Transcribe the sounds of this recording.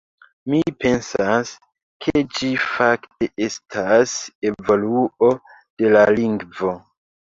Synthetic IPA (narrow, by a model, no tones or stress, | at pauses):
mipe̞nsas | kʰed͡ʒifakte̞ʔe̞stʰase̞vo̞luo̞ | d̥e̞laliŋɡvo̞